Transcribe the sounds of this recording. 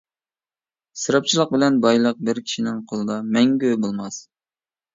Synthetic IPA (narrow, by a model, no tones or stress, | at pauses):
sɨɾɑp̚t͡ʃʰilˠəq̚bɪlɛnbɑjlˠəq̚bɪɾkʲʰi̥ʃinɪŋqʰolˠɨd̪ɑmɛŋɡʲøbolˠmɑs